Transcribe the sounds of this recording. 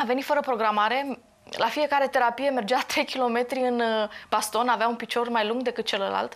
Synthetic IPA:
ave̞nit̪fəɾəpɾo̞ɡɾamaɾe̞ | lʔafije̞kaɾe̞t̪e̞ɾapije̞me̞rd͡ʒat̪ɾe̞jkʲilo̞me̞t̪ɾiɨnb̥ast̪o̞naveaunpit͡ʃo̞rmajluŋɡd̪e̞kɨt̪̚t͡ʃe̞ləla̰lt̪

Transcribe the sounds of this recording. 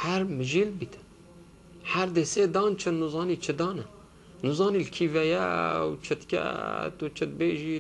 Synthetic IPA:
hæɾmɨʒiːlbit̪ɨ̥ | hæɾd̪eseːd̪ɑːnt͡ʃʰɨnːuzɑːniːt͡ʃʰɨd̪ɑːnɨ | nuzɑːnilkʰivɛjɛ̰wt͡ʃʰɨt̪kʲɛ̰t̪ut͡ʃʰɨt̪̚beːʒi

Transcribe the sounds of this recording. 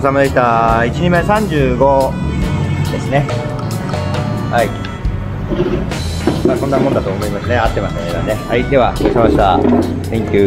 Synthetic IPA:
samad̪ekʲit̪ait͡ɕiɲimasãɲ̟d͡ʑɨːɡo̞ | d̪̥e̞sɨne̞ | hai | maːsõ̞nːamõnd̪at̪o̞ːmo̞imasɨne̞at̪ːe̞maɕi̥t̪aneea̰ne̞haid̪e̞βaoisamaɕi̥t̪a | sẽ̞ŋkʲɨː

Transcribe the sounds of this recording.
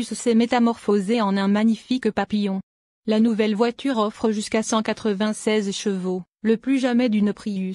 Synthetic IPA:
yssɛmet̪amɔʁfozeɑ̃nɛ̃maɲifikpapijɔ̃ | lanuvɛlvwat̪ʰyʁɔfχəʒyskasɑ̃kat̪χəvɛ̃sɛzʃəvo | ləplyʒamɛd̪ynəpχiy

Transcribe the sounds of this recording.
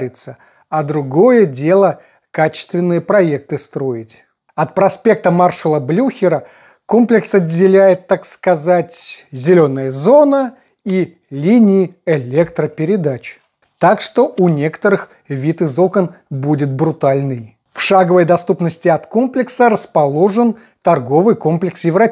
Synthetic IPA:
ɾʲɪt̪sə | ɐd̪ɾʊɡo̞jədʲe̞lˠə | kat͡ɕɪ̥st̪vʲɪnːɨjəpɾɐe̞k̚t̪ɨst̪ɾo̞jɪtʲ | ɐt̪pɾɐspʲe̞k̚t̪əmarʂəlˠəblʲuxʲɪɾə | ko̞mplʲɪksɐdʲːɪlʲæjɪt̪ːakskɐzatʲzʲɪlʲo̞nːəjəzo̞nə | i | lʲinʲɪɪɪlʲekt̪ɾəpʲɪɾʲɪd̪at͡ɕ | t̪akʂt̪o̞ʔunʲe̞kə̥t̪əɾɨx | vʲit̪ɨzokənbudʲɪt̪̚bɾʊt̪alʲnɨj | fʂaɡəvəjd̪ɐst̪upnəsʲtʲɪɐt̪ko̞mplʲɪksəɾəspɐlˠo̞ʐɨn | t̪ɐrɡo̞vɨjko̞mplʲɪksjɪvɾɐ

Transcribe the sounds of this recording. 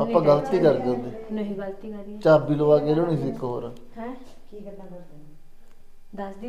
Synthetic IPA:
əpãːɡələt̪iːkəɾkəɾd̪eː | t͡ʃaːbiːloːʋaːkeːloːnĩːsɪkːɦo̰ːɾaː

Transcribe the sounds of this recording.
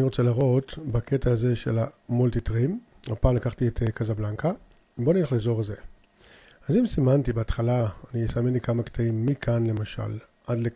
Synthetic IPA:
aniʁo̞t͡selaʁo̞t̪baketaːze̞ʃe̞̰lamo̞lt̪itʁim | hapaːmlakaχt̪ietekazablaŋka | bo̞nileχlezo̞ʁeze | azimsimantibeːt̪χalaːniesamenlikamakt̪aimːikʰanle̞maʃa̰l | ʔadle

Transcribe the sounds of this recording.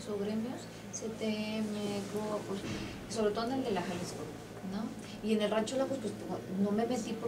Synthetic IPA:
soɣɾemjos | set̪emekoapwes | so̞βɾet̪o̞ðeneld̪e̞laxalesko | no | iene̞lrat͡ʃolapwe̞spweskono̞me̞met̪ipo

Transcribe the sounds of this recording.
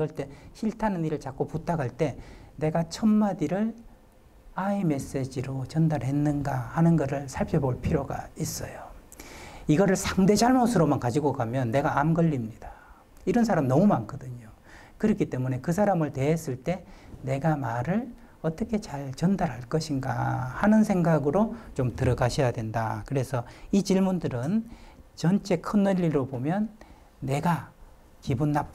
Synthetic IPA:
ʌɭt͈e̞ɕiɭtʰanɯniɾɯɭt͡ɕak͈̚oput͈aɡaɭt͈e̞ne̞ɡat͡ɕʰʌmmadiɾɯɭ | aime̞s͈e̞d͡ʑiɾot͡ɕʌndaɾɦe̞nːɯnɡahanɯnɡʌɾɯɭsʰaɭpʰjʌboɭpʰiɾjoɡa̰is͈ʌjo | iɡʌɾɯɭsʰaŋde̞d͡ʑaɭmosʰɯɾomankad͡ʑiɡokamjʌnːe̞ɡaʔamɡʌʎːimɲid̥ḁ | iɾʌnsʰaɾamnʌmumankʰʌdɯɲo | kɯɾʌkʰit͈e̞mune̞kɯs̬ʰaɾamɯɭte̞ːs͈ɯɭt͈e̞ne̞ɡamaɾɯɭ | ʌt͈ʌkʰe̞t͡ɕaɭt͡ɕʌndaɾɦaɭk͈ʌɕʰinɡa̰hanɯnsʰe̞ŋɡaɡɯɾot͡ɕomtɯɾʌɡaɕʰʌjadwe̞ndakɯɾesʰʌit͡ɕiɭmundɯɾɯnt͡ɕʌnt͡ɕ͈ʰe̞kʰɯnːʌʎːiɾobomjʌnː | e̞ɡa | kibunːa

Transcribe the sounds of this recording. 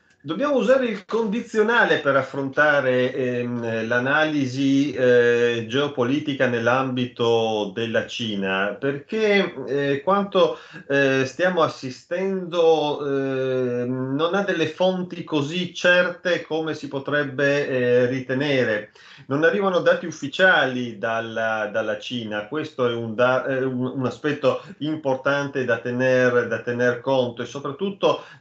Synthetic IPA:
d̪obːjaːmouzaːɾeilkond̪it̪sːjonaːlepeɾafːɾont̪aːɾe | lanaːlizi | d͡ʒeopoliːt̪ikanelːambit̪od̪elːat͡ʃiːnaperk̟e | kwant̪o | st̪jaːmoasːist̪ɛnd̪o | nonad̪ːelːefont̪ikozit͡ʃɛrt̪ekomesipot̪ɾɛbːerit̪eneːɾe | nonarːiːvanod̪aːt̪iufːit͡ʃaːlid̪alːad̪alːat͡ʃiːnakwest̪oɛund̪aununaspɛt̪ːoimport̪ant̪ed̪at̪ːenerd̪at̪ːenerkont̪oesːopɾat̪ːut̪ːo

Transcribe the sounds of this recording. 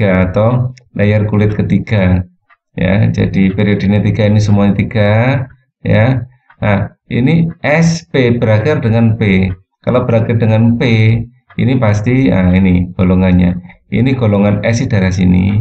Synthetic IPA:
aːt̪owlajarkulɪt̪̚kət̪iɡ̥a | ja̰d͡ʒa̰d̥ipeɾiod̥iɲat̪iɡ̥ainis̬əmuaɲat̪iɡ̥a | ja | ʔa | ḭniʔɛspeb̥əɾakɪrdəŋanpe | kalobəɾakɪrdəŋanpe | ḭnipast̪ia̰iniɡ̥oloŋanɲa̰ | ḭniɡ̥olɔŋanɛsid̥aɾas̬ḭnḭ

